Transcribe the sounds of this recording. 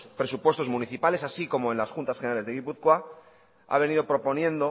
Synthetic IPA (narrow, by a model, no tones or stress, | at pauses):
spɾe̞supwe̞st̪o̞zmũniθipale̞sasiko̞mo̞e̞nlasxunt̪asxeneɾale̞zðeɣipuθkwa | a̰β̞e̞nið̞opɾo̞po̞njẽ̞nd̪o